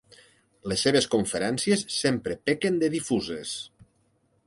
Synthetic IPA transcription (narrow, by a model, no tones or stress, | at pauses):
lesːeβ̞eskoɱfeɾɛnsiesːempɾepekend̪eðifuzes